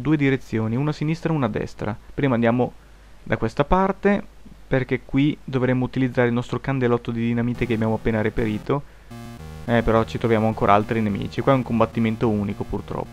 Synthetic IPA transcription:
d̪uːed̪iɾet̪sːjoːniunasinist̪ɾaunad̪ɛ̰st̪ɾa̰pɾiːmand̪jaːmo | d̪akwest̪apart̪eperk̟ekːwid̪ovɾemːout̪ilid̪zːaːɾeilnɔst̪ɾokand̪elɔt̪ːod̪id̪inamiːt̪ekeabjaːmoapːeːnaɾipeɾiːt̪o | ɛpeɾɔt͡ʃit̪ɾovjaːmoaŋkoːɾʔa̰a̰lt̪ɾinemḭːt͡ʃikwaɛuŋkombat̪ːiment̪ouːnikopurt̪ɾɔ̰pːo

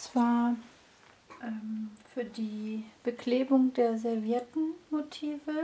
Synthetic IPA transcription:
t͡sv̥aːɐ | ʔɛmfyːɐdiːb̥əkʰleːbʊŋdeːɐzɛɐvjɛɐtn̩motʰiːvə

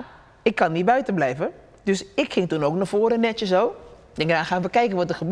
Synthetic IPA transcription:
ɪkːɑnːibœɥtəblɛjvə | døsɪkχɪŋtunowknavoːɾənɛtjəsow | dɛŋkədaːχaːnʋəkɛjkənʋɔtərχəb

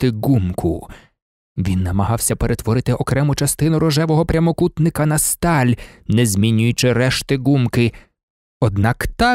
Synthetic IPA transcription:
t̪ɪɡumkʰʊ | ʋʲinːɐmɐɦɑwsʲɐpeɾʔet̪ʋɔɾɪt̪ɪʔɔkɾɛmʊt͡ʃɐst̪ɪnʊɾɔʒɛʋɔɦɔpɾʲɐmɔkut̪nɪkɐnɐst̪ɑlʲnezʲmʲinʲːʊjʊt͡ʃɪɾɛʃt̪ɪɡumkɪ | ɔd̪nɑkt̪ɑ

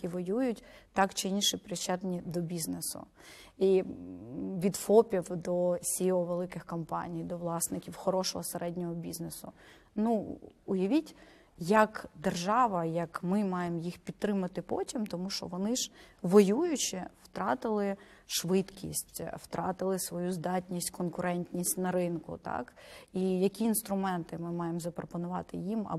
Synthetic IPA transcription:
iʋɔjujʊtʲt̪ɑkt͡ʃɪinʃɪpɾʲɪt͡ʃat̪nʲid̪ɔbʲiznesʊ̰ | i | ʋʲid̪fɔpʲiwd̪ɔsʲiɔʋelˠɪkɪxkɔmpɑ̰nʲijd̪ɔʋlˠɑsnɪkʲiwxɔɾɔʃɔɦɔseɾɛdʲnʲɔɦɔbʲiznesʊ̰ | nuʊjɐʋʲitʲ | jɐkd̪erʒɑʋɐjɐkmɪmɑjemjixpʲid̪̚t̪ːɾɪmɐt̪ɪpɔtʲimt̪ɔmuʃt͡ʃɔ̰ʋɔnɪʒ̥ʋɔjujʊt͡ʃɪwt̪ɾɑt̪ɪlˠɪ | ʃʋɪt̪kʲḭsʲtʲwt̪ɾʔɑ̰t̪ɪlˠɪsʋɔjuzd̪ɑtʲnʲisʲtʲkɔnkʊɾɛnʲtʲnʲisʲtʲnɐɾɪnkʊ̰t̪ɑ̰kijɐkʲiːnst̪ɾʊmɛnt̪ɪmɪmɑjemzɐpɾɔpɔnʊʋɑt̪ɪjimɐ̰

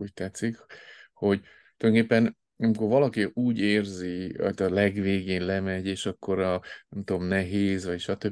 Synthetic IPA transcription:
uːc̚t̪ɛt̪sːikho̞ɟ | t̪ojnŋkeːpːɛn | ɒmiko̞rvɒlɒkiuːɟeːrziɒ̰t̪ɒlɛɡʋeːɡeːnlɛmɛɟeːʃɒkːo̞ɾɒnɛmt̪omnɛɦeːzʋɒɟʃɒt̪øb

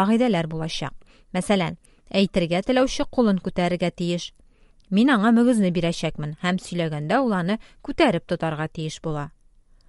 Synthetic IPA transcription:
ɒʁid̪ælæɾbulˠɑɕɑ̰q̚ | mæsælæn | æjt̪ɘ̆ɾɡæt̪ɘ̆læwɕɘqulˠɤŋkʉt̪æɾɘ̆ɾɡæt̪ijɘʃ | minɒɴɑmɵ̆ɡɘ̆znɘbiɾæɕækmɘnhæmsɵ̆jlæɡænd̪æulˠɑɾnɤ | kʉt̪æɾɘp̚t̪ŏt̪ɑɾʁɑt̪ijɘʃbulˠɑ

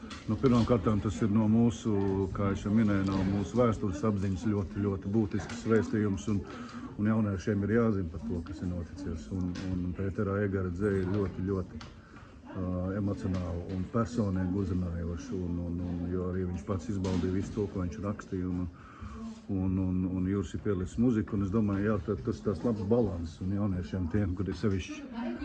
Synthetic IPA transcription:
nupiɾmaːmkaɾt̪aːmt̪asiɾnuɔmuːsukaːɛsjɔminɛjnawmuːsuʋæːst̪ulʲɪsabziɲslʲuɔt̪ilʲuɔt̪ibuːt̪isksːʋɛːst̪iːjumsun | unjawneʃiɛmiɾjaːzinpɐɾt̪uɔkasiɾnuɔt̪it̪siɛsununpʲɛːt̪ɛɾaːɛɡɛɾazɛːiɾlʲuɔt̪iʎʲuɔt̪i̥ | ɛmɔt̪siɔnaːlˠunpʲæɾsoːniːɡʲuzɪnaːjuɔʃunununjɔaɾiːʋiɲt͡ʃpat̪sizbalˠd̪iːʋisu̥t̪uɔkuɔʋiɲt͡ʃɾakst̪iːjun | unununjuːɾsipiɛlit̪smuzikunesd̪uɔmaːjjaːt̪at̪ast̪aːslˠabsbalˠant̪ssunjawniɛʃiɛmt̪iɛmkuɾisɛʋiʃt͡ʃi̥

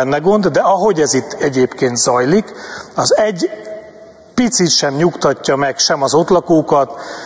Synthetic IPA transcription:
ɛnːɛɡo̞nd̪d̪ɛɒɦo̞ɟɛzit̪ːɛɟeːpkeːnt̪zɒjlikɒzɛɟ | pit̪sit̪ʃɛmɲukt̪ɒcːɒmɛkʃɛmɒzo̞t̪lɒkoːkɒt̪

